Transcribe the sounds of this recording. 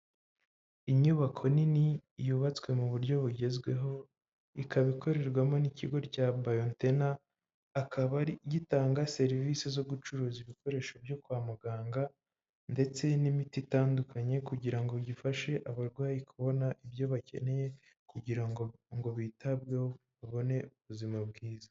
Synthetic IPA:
imɲuβakʰo̞ninijuβat͡swe̞muβuɾɟo̞βuɟe̞zɡwe̞ɦo̞ | ikʰaβikʰo̞ɾe̞ɾɡwamo̞niciɡo̞ɾcabajontenaː | kʰaβaɾiɟitaːŋɡase̞ɾivisezo̞ɡut͡ʃuɾuːziβiko̞ɾe̞ːʃobjo̞kwaːmaɡaːŋɡa | nde̞t͡se̞nimititaːndukaɲe̞kuɟiɾaŋɡo̞ɟifaʃe̞ʔaβaɾɡwaːjikuβo̞naʔiβjo̞βace̞̰ne̞je̞ | kuɟiɾaŋɡoŋɡo̞βitʰabɡo | βaβo̞ne̞uβuzimab̚ɡiːza

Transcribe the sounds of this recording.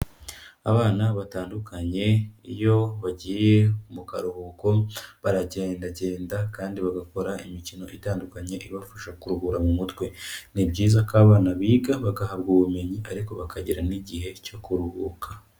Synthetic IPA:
aβaːnaβataːndukʰaɲe̞ijo̞βaɟiːje̞umukaɾuhuko̞βaɾaɟe̞ːndaɟe̞ːndakaːndiβaɡako̞ɾaimicino̞ʔitaːndukaɲe̞ʔiβafaʃakuɾuhuɾamumutɡwe̞nibɟiːzakaːβaːnaβiːɡaβaɡahabɡuːβume̞ɲiaɾikoβakʰaɟiɾaniɟiɦe̞co̞kuɾuhuːkʰḁ

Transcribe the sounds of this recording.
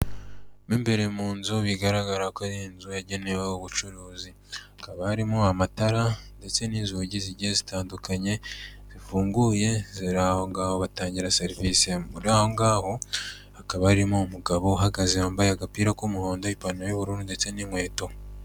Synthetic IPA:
niːmbe̞ɾemuːnzuβiɡaɾaɡaɾakaɾienzujaɟe̞ne̞wehoβut͡ʃuɾuːzi | akaβahaɾimoamataɾande̞t͡se̞niːnzuɟiziɟezitaːndukaɲe̞ | z̥ifuːŋɡuje̞ziɾaːho̞ŋɡaːhoβataːɲɟiɾaseɾiviseuɾaho̞ŋɡaːho̞ | akaβahaɾimoumuɡaβo̞uɦaɡazeaːmbajaɡapiːɾakumuho̞ːndo̞ipanojuβuɾuːnunde̞t͡se̞niŋwe̞ːto̞

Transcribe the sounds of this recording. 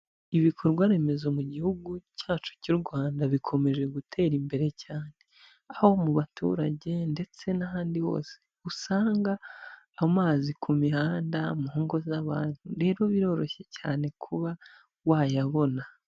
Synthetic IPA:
iβikʰo̞ɾɡwaɾe̞me̞zomuɟihuɡucaːt͡ʃu̥cuɾɡwaːndaβikʰo̞me̞ʒe̞ɡutʰe̞ːɾimbe̞ɾe̞caːne | aho̞muβatṵɾaɟe̞nde̞t͡se̞naɦaːndiho̞̰ːse̥ | usaːŋɡaː | maːzikʰumihaːndamuhoːŋɡo̞zaβaːnhuɾe̞ːɾo̞βiɾo̞ːɾo̞çe̞caːne̞kʰuβa | wajaβo̞na

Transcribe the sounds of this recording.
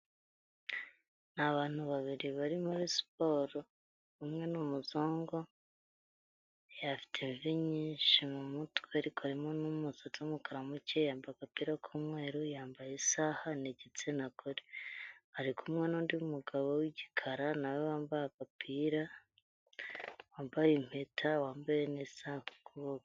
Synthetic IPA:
naβaːn̥huβaβiɾiβaɾimuɾisp̚oːɾo | umŋe̞numuzoːŋɡo̞ | jafi̥tʰeɱviɲiːnʃimumutweaɾikoaɾimo̞numuzatumukaɾamuce̞jaːmbajakapiːɾakʰumwe̞ːɾujaːmbajesahaneɟet͡se̞nakʰoɾihaɾikʰumŋenuːndiumuɡaβowiɟikʰaɾanawewaːmbajakapʰiːɾa | waːmbajim̥hetʰawaːmbajenisahokʰuβoka

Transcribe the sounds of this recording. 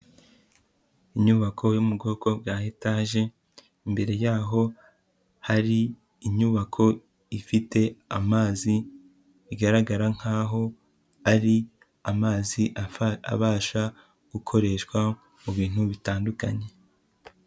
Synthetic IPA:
iɲuβakʰo̞jumuɡo̞ːko̞b̚ɡaːhetaːʒe̞ | imbe̞ɾe̞jaːɦo̞ | haɾiː | ɲuβakʰo̞ | ifite̞amaːzi | iɡaɾaɡaɾaŋ̥haːɦo̞ | aɾi | amaːziʔaa̰βaːʃa | ɡ̥ukʰo̞ɾe̞ːʃkwa | muβiːn̥huβitaːnduka̰ɲe̞

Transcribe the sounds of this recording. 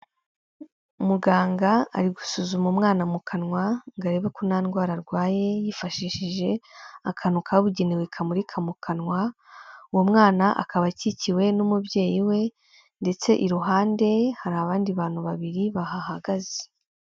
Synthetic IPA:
umuɡaːŋɡaa̰ɾiɡusuːzumumŋaːnamukʰanŋwaŋɡaɾe̞βekunaːnɡwaːɾaɾɡwaːje̞jifaʃiːʃiʒe̞akʰanukʰaβuɟe̞newekʰamuɾikʰamukʰanwa | uwomŋaːnaʔa̰kaβaciciwe̞numubje̞ːjiwe̞ | nde̞t͡se̞ʔiɾuɦaːnde̞haɾaβaːndiβaːn̥huβaβiɾiβahahaɡaze

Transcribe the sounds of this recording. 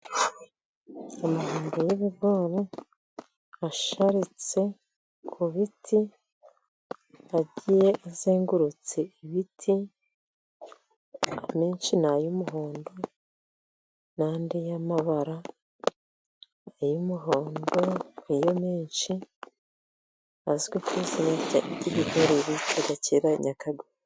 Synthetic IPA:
amaɦoːndo̞jeβiɡoːɾe | aʃaɾit͡se̞ | kʰuβitʰi | aɟijeʔazeːŋɡuɾut͡se̞iβitʰi | ameːnʃinajumuɦoːndo | naːndejamaβaɾa | ajumuɦoːndoijomeːnʃi | azɡwekusiɲacaɟiβihoɾeɾitaɡaceɾaɲakaɡe

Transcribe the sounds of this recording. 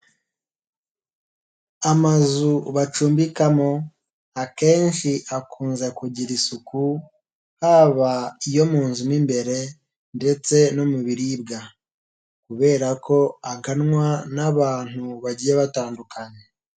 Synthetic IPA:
amazuβat͡ʃuːmbikamo̞ | ake̞ːnʃiʔakʰuːnzekuɟiɾisuku | haβaijo̞muːnzumimbe̞ɾe̞ | nde̞t͡se̞nomuβiɾibɡa | kuβe̞ːɾako̞aŋɡanŋwanaβaːn̥huβaɟijeβataːndukaɲe̞

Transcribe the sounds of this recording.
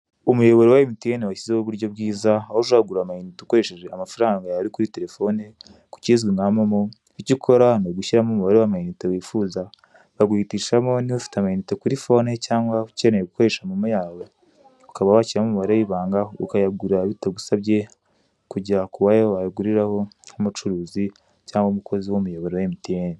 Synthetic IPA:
umujo̞βo̞ɾewaimitijenewaçizeoβuɾɟo̞bɡiːzaahozaɡuɾamajinitokoɾeʃeʒeamafaɾaːŋɡajaɾikuɾite̞ɾe̞fo̞ne | ku̥ciːzɡwiŋamomo | icikʰo̞ɾanoɡuʃiɾamomoβaɾiβamainitowiːfuːza | βaɡwiːtiːʃamo̞niβafi̥tamainitekuɾifo̞ːnecaːŋɡwacenejeɡuko̞ɾe̞ʃamumujaːwe | ukaβaβaciɾamumuβaɾajiβaːŋɡahoṵkajaɡuɾaβitaɡusaβɟe̞ | kuɟiakuwajeβajaɡuɾiɾaho̞humut͡ʃuɾuːzi | caːŋɡomukʰo̞ziwomujoβoɾowemitieːni

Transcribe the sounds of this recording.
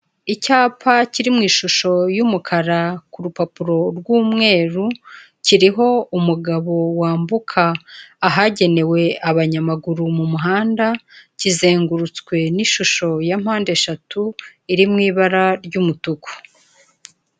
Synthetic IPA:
icaːpʰaciɾimŋiːʃuʃo̞jumukʰaɾakuɾupapuɾo̞ɾɡuːmŋe̞ːɾu | ciɾiɦo̞umuɡaβo̞waːmbukʰaːɦaɟe̞ne̞we̞aβaɲamaɡuɾumumuɦaːndacize̞ːŋɡuɾut͡skwe̞niʃuʃo̞jam̥haːnde̞ʃatuiɾimŋiːβaɾaɾɟumutuku̥

